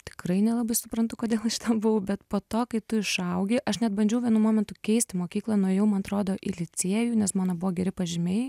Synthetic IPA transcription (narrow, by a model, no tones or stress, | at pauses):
t̪ʲɪ̥kɾɐɪnʲɛlˠɐbɐɪsʊpɾɐnt̪ʊkoːd̪ʲeːlˠɐʃʲɪt̪ɐbʊʋɐʊbʲɛt̪poːt̪oːkɐɪt̪ʊɪʃɐʊɡʲɪʔɐʃnʲɛd̪̚bɐnʲd͡ʒʲɛʊʋʲiɛnuːmoːmʲɛnt̪ʊkʲɛɪsʲt̪ʲɪmoːkʲiːklˠɐːnojɛʊmɐnɐt̪ɾoːd̪oːʔɪlʲɪt͡s̪ʲiɛjuːnʲɛsmoːnɐbʊʋoːɡʲɛɾʲɪpɐʒʲɪmʲeɪ